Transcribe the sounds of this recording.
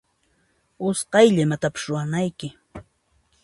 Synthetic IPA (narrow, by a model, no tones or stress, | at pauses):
ʊsqɑjʎɪmat̪apɪ̥sɾʊwanajkɪ